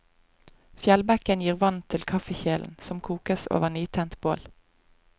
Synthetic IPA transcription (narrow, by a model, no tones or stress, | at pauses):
fjɛlbækənjiːʁʋɑnt̪ʰɪlkʰɑfəçeːln̩sɔmkʰuːkəso̰ːʋəʁnyːt̪ʰɛnt̪boːl